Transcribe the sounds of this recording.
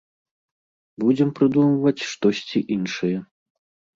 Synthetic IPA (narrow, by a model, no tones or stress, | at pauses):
bud͡zʲɛmpɾɨd̪umɐvɐt͡sʲʂt̪ɔsʲt͡sʲiʔinʂɨjɛ